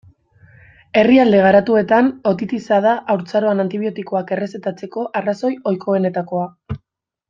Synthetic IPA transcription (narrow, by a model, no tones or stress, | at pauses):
e̞riald̪e̞ɣ̞aɾat̪ue̞t̪ano̞t̪it̪isaðaʔːwɾt͡saɾo̞anant̪iβ̞io̞t̪iko̞ake̞re̞se̞t̪at͡se̞ko̞ʔaraso̞jo̞jkʰo̞ene̞t̪ako̞a